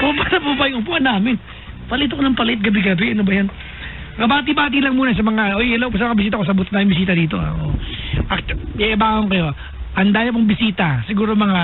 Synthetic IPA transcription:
pobanɐpubajʔʊpuʔɐnaːmɪn | pɐlʔɪt̪ɐkonɐŋpɐlɛʔɪt̪̚ɡɐbɪɡɐbɛʔɐnobɐjan | ŋɐbaːt̪̬ibaːt̪̬ilɐŋmuːnɐs̬ɐmɐŋaʔojɪlawpos̬ɐmɐŋabɪs̬iːt̪ɐkos̬ɐbʊt̪naːmɪnbɪsiːt̪ɐd̪iːt̪o̞a̰ʔo̰ʔɐk̚ɛʔɐbaːhoŋkɐjo̞ | ʔɐnd̪aːjɐp̬oŋbɪsiːt̪ɐsɪɡuːɾomɐŋa

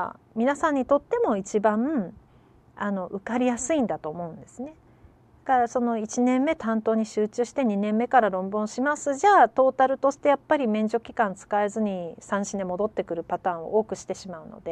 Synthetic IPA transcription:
mʲinasãɲ̟ːit̪o̞t̪ːe̞mo̞it͡ɕibã | ano̞ʔɯkaɾʲijasɨĩnd̪at̪o̞ːmo̞ɯ̟̃nd̪e̞sɨne̞ | d̪̥akaɾaso̞no̞it͡ɕinẽ̞mːe̞t̪ãnt̪o̞ːɲ̟iɕɨːt͡ɕɨːɕi̥t̪e̞ɲ̟inẽ̞mːe̞kaɾaɾõ̞mbɯ̃ɰ̃ɕimasɨʑaːt̪o̞ːt̪aɾɯ̟t̪o̞ɕi̥t̪e̞japːaɾʲimẽ̞ɲ̟d͡ʑo̞kʲi̥kãnt͡sɨ̥kaezɨɲ̟isãɰ̃ɕinemo̞d̪o̞t̪ːe̞kɯ̟ɾɯ̟pat̪ãːɰ̃o̞̰ʔo̞ːkɯ̟ɕi̥t̪e̞ɕimaɯ̟no̞̰d̪e̞

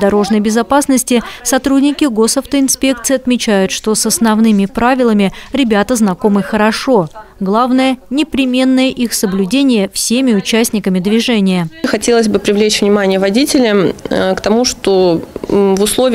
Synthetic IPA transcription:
d̪ɐɾo̞ʐnəjbʲɪzɐpasnəsʲtʲɪsɐt̪ɾudʲnʲɪkʲɪɡo̞sɐft̪əɪnspʲe̞k̚t̪sɨɪːɐt̪mʲɪt͡ɕæjʊt̪ʂt̪o̞sɐsnɐvnɨmʲɪpɾavʲɪlˠəmʲɪɾʲɪbʲat̪əznɐko̞mɨxəɾɐʂo̞ɡlˠavnəjənʲɪpɾʲɪmʲe̞nːəjəʔixsəblʲʉdʲenʲɪjəfsʲemʲɪʊt͡ɕæsʲtʲnʲɪkəmʲɪd̪vʲɪʐɛnʲɪjəxɐtʲelˠəzʲbɨpɾʲɪvlʲet͡ɕvnʲɪmanʲɪjəvɐdʲitʲɪlʲəmkt̪ɐmuʂt̪o | vʊslˠovʲɪ

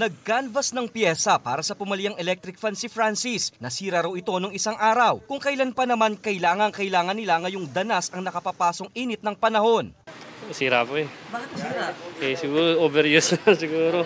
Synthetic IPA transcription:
nɐɡ̚kalvɐsnɐŋpjɛːsɐpaːɾɐsɐpʊmɐlɪjaŋɛlɛk̚t̪ɾɪk̚fansifɾansisnɐsiːɾaɾɐwɪt̪o̞noŋɪsaŋʔaːɾɐwkʊŋkɐjlanpɐnɐmankɐjlaːŋɐŋkɐjlaːŋɐnːɪlaŋɐjoŋd̪ɐnasɐŋnɐkɐpapaːso̞ŋiːnɪt̪̚nɐŋpɐnɐho̞nsiːɾapoɛbat̪siːɾaʔɛsɪɡuːɾoʔoːbɛɾjussɪɡuːɾo

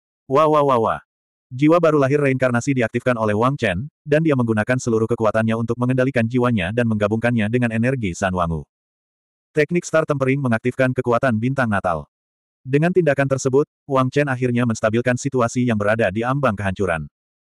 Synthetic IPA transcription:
wawawawa̰ | d͡ʒiwabaɾulaɦɪrːaiŋkarnasidiak̚t̪ifkanolɛhwaŋt͡ʃɛndandiaməŋɡunakansəluɾuhkəkuat̪anɲaunt̪ʊk̚məŋəndalikand͡ʒiwaɲadanməŋɡabuŋkanɲadəŋanɛnɛrɡisanwa̰ŋṵ | t̪ɛk̚nɪkst̪art̪əmpəɾɪŋməŋak̚t̪ifkankəkuat̪anbint̪aŋnat̪a̰l | dəŋant̪indakant̪ərsəbʊt̪̚waŋt͡ʃɛnaɦirɲaməst̪abilkansit̪uasijaŋbəɾadadiambaŋkəɦaɲt͡ʃuɾa̰n

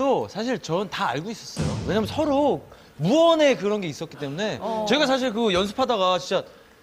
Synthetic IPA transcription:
t͈osʰaɕʰiɭt͡ɕʌntaa̰ɭɡois͈ʌs͈ʌjo̰we̞ɲaːmjʌnsʰʌɾok̚ | muʌne̞kɯɾʌnɡe̞is͈ʌt̚k͈it͈e̞mune̞t͡ɕʌiɡasʰaɕ̬ʰiɭkɯjʌns̬ʰɯ̥pʰadaɡat͡ɕint͡ɕ͈a

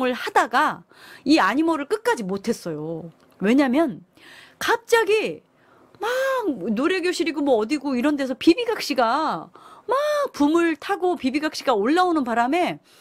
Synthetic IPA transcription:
ŋɯɭhadaɡa | iaɲimʌɾɯɭk͈ɯk̚k͈ad͡ʑimotʰe̞s͈ʌjo | we̞ɲamjʌn | kap̚t͡ɕ͈aɡi | manoɾe̞ɡjoɕʰiɾiɡomwʌːdiɡoiɾʌnde̞sʰʌpibiɡak̚ɕ͈iɡa | mapumɯɭtʰaɡopibiɡak̚ɕ͈iɡaoɭːaonɯnpaɾame̞

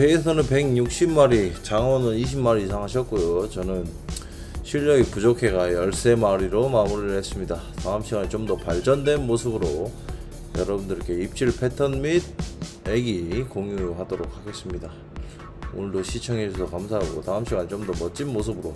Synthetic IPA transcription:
peːsʰʌnɯnpe̞ŋɲuk̚ɕ͈ʰimmaɾit͡ɕaŋʌnɯniɕ̬ʰimmːaɾiisʰaŋɦaɕʰʌt̚k͈ojot͡ɕʌnɯn | ɕʰiʎːʌɡipud͡ʑokʰe̞ɡajʌɭs͈e̞maɾiɾomamuɾiɦe̞s͈ɯmɲidataɯmɕʰiɡanit͡ɕomdʌpaɭd͡ʑʌndwe̞nmosʰɯbɯɾo | jʌɾʌbundɯɭk͈e̞ip̚t͡ɕ͈ʰiɭpʰe̞tʰʌnmid̚ | e̞ɡikoŋjuɦadoɾok̚ʰhaɡe̞s͈ɯmɲida | uɭdoɕʰit͡ɕʰʌŋisʰʌkamsʰaɦaɡo̰taɯmɕʰiɡanit͡ɕomdʌmʌt̚t͡ɕ͈inmos̬ʰɯbɯɾo

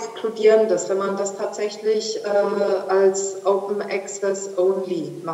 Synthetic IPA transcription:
kskludiːʁəndasv̥ɛnmandastʰaːtz̥ɛçlɪçʔɛːʔalsʔoʊpn̩ʔɛksɛsʔoʊnlima

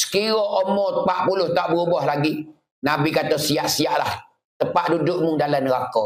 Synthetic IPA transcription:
sə̥kiɾɔʔomɔəpaʔpulʊht̪aʔbəubɔhlaɡi | nabikat̪osiaʔsiaʔlah | t̪əpaʔdudʊʔmuŋdalanəɣakɔ

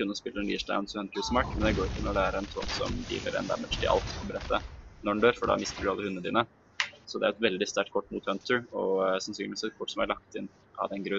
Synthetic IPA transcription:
ʉnːəɔspɪlːəɛnliːʂd̪a̰ʊnsɔɛnt̪əsmɑɾkmɛnd̪ɛɡoːɾɪkəɪnːɔlæːɾəɛnt̪ʰɔmsɔ̰md̪ḭːlə̰ɾɛ̰nd̪æ̰mɛʂʈ̪ʰɪ̰ʔɑ̰lt̪ɔbəɾɛt̪ːənɔɖnɳɖøːɾfɔɖɑ̰mɪst̪əɖʉɑlːəʉnːəəd̪iːnə | sɔd̪ɛæɾɛt̪ʋɛld̪ɪst̪æʈkʰɔʈːmuːt̪hœnt̪ʰəɹɔsɑnsyːnlɪʋɪsɛt̪̚kʰɔʈːsɔmæɭɑk̚t̪ɪn | ʔɑ̰d̪ɛnɡɾʉ

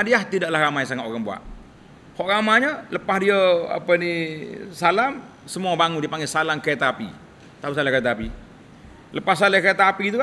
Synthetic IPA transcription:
adiaht̪idaʔlahɾamajsaŋat̪oɾaŋbua̰ʔ | hɔʔɾamaɲələpahdiəa̰pənisalam | səmuabaŋundiəpaŋɡesalamkəet̪aapḭ | t̪ausalakəet̪aapi | ləpasalakəet̪aapit̪̬uka

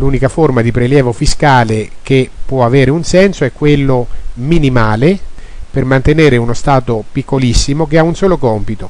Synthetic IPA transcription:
luːnikaformad̪ipɾeljɛːvofiskaːlek̟epːwɔaveːɾeunsɛnsoɛkːwelːominimaːle | permant̪eneːɾeunost̪aːt̪opikʰːolisːimokeaunsoːlokɔmpit̪o

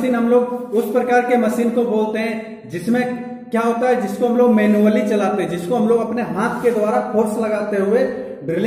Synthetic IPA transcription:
iːnɦɐmloːɡʊspɾɐkaːɾkemɐsiːnkoboːlt̪eɦɛ̃ | d͡ʒɪsmẽ | kjaɦoːt̪aɦɛd͡ʒɪskoɦɐ̃mloːɡmɛːnuəlit͡ʃɐlaːt̪eɦɛ̃d͡ʒɪskoɦɐmloːɡɐpneɦaːt̪ʰked̪ʊwaːɾapʰoːɾslɐɡaːt̪eɦʊe | bɾɪl

